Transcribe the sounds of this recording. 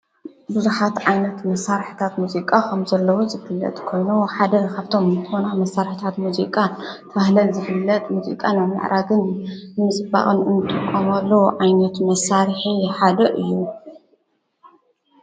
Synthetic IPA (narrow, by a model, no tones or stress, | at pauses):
buzuħat̪ʕajnɐt̪mɐsaɾħi̥t̪ʰat̪muzikʼakʰɐmzɐlːɐwozɨfɨlːɐ̰t̪ʼkʰo̞jnuħad̪ɐkʰaβt̪ʰo̞mt̪ʰonamɐsːaɾħt̪ʰat̪muzikʼat̪ʰɐβahlɐlzɨfɨlːɐt̪ʼmuzḭkʼanamɨ̰ʕɾʔaɡɨnnɨmɨsʼɨba̰χʼɨnɨnɨt̪ʼːɨkʼːomalːɐwʕajnɐt̪mɐsaɾħiħad̪ɐʔɨjːu